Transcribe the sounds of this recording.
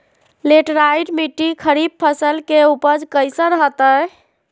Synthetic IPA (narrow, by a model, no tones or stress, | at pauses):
leʈɾajɖmiʈːikʰəɾib̚pʰəsəlkeupəd͡ʒkəjsəɾɦət̪ə